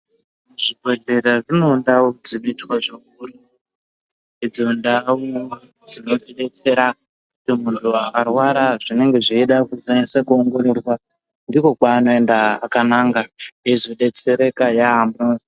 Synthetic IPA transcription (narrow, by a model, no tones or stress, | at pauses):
ʐibʱwe̞ɮe̞ɾaʐino̞ndaud͡zinoitwaʐakuru | ed͡zondau | d͡zino̞d͡ziɗe̞t͡se̞ɾa | kutimuntʰuakarwaɾaʐine̞ŋɡe̞ʐiiɗakuzanesekuoŋɡo̞ɾerwa | ndiko̞kwaːno̞e̞ndaakanaːŋɡaizoɗe̞t͡se̞ɾe̞kajaːmbo